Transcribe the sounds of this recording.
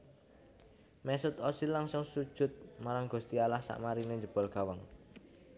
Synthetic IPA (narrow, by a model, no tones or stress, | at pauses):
mɛsʊt̪ɔsilaŋsʊŋsud̥ʒ̥ʊ̤t̪̚maɾaŋɡ̥ṳst̪ialahsa̰ʔmaɾineɲd͡ʒəb̥ɔ̤lɡ̥a̤wəŋ